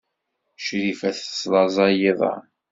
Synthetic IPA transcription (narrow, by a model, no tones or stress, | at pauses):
ʃɾifæθslˤɑzˤɑjiðˤɑ̰